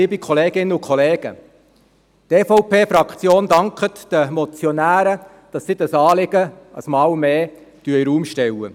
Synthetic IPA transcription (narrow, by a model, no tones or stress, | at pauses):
iːbikʰɔleːɡ̥ɪnːəʊkʰχɔleːɡ̥ə̰ | t̪eːfɔʊpʰeːfɾɑkʰt͡sjoːnd̪ɑŋkχət̪d̥əmɔt͡sjɔnæːɾə | d̥ɑsːiːd̥ɑsɑːlɪɡ̥ə | ə̰smɑːwmeː | d̥yəiɾuːmʃtɛwə̰